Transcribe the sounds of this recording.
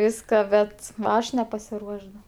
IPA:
ˈʋʲɪskɐ ˈbʲɛt ˈɐʃ nʲɛpɐsʲɪˈruɔʃs dɐ

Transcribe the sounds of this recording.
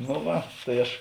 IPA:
noː ˈʋɐ tɐɪ ˈɐʃ

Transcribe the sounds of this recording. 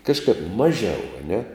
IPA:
ˈkɑːʃkɐp ˈmɑːʒʲɛʊ ɐ ˈnʲɛ

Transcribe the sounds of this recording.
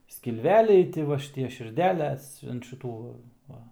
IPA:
sʲkʲɪlʲˈʋʲæːlʲɛɪ ˈtʲɪ ʋɐ ʃʲɪˈtʲiɛ ʃʲɪrʲˈdʲæːlʲɛs ɐnt ˈʃʲɪtuː ˈʋɐ

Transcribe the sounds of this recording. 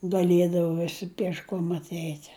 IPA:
ɡɐˈlʲiɛdɐʋɐ ˈʋʲɪsʲɪ pʲiɛʃˈkoːm ɐtʲˈɛɪtʲ

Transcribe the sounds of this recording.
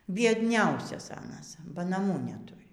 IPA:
bʲiɛdʲˈnʲɛʊsʲɛs ˈɑːnɐs bɐ nɐˈmuː nʲɛˈtʊrʲɪ

